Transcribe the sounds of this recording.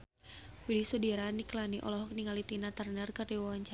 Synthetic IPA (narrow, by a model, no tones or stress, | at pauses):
widisɔdiɾaniklaniʔɔ̰lɔɦɔk̚niŋalit̪inat̪arnərkərdiwawaɲt͡ʃa